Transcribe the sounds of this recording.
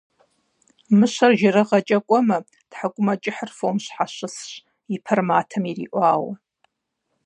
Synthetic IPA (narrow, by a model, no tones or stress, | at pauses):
mɨʃʷarʒaɾɨʁat͡ʃʼɐkʷʼɐmɐ | d̥ħakʷʼʊmat͡ʃʼɪħrfomʃʷħaʃʷɨsʃʷ | ipʰarmaːtʰɐmirḭːʔʷaːwa